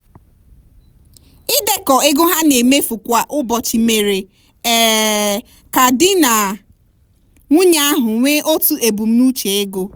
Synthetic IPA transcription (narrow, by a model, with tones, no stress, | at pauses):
ɪ˦de˨kɔ˨e˦ɡo˦ɦa˦ne˨me˦fu˨kʷa˨ʔʊ˦bɔ˨t͡ʃi˨me˨ɾe˨ | ɛ˦ | ka˨dɪ˦na˨ | ŋʷu˦ɲa˦a˦ɦʊ˨ŋʷe˦ʔo˦tu˦e˨bu˨m̩˦nu˦t͡ʃe˨e˦ɡo˦